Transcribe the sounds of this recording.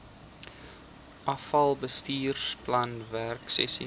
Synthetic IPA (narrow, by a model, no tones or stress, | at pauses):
ʔɐfɐlˠbəstiːrsplɐnværksɛ̰sḭ